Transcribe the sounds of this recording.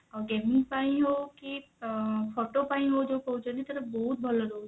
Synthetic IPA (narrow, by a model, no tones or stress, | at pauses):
ɔɾɡeːmɪ̃ŋɡpaĩɦoki | pʰɔːʈopaĩɦod͡ʒoːpɐɦũt͡ʃelit̪ɐɾɐbɔɦut̪̚bʱɐloɾoː